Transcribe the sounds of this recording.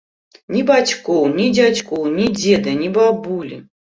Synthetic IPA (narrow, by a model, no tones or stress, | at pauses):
nʲibat͡sʲkɔwnʲid͡zʲat͡sʲkɔwnʲid͡zʲed̪ɐnʲibabulʲi